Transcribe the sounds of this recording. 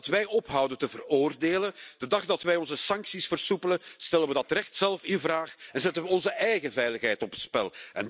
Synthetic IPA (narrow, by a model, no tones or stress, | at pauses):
tʋɛjɔpɦɑwdəntəvəroːrdeːləd̥ədɑχdɑtʋɛjɔnzəsɑŋksisfərsupələstɛlənʋədɑtrɛxtsɛlˠfɪnvraːxɛnzɛtənʋəɔnzəʔɛjɣəvɛjləxɦɛjtɔpətspɛlˠʔɛ̰n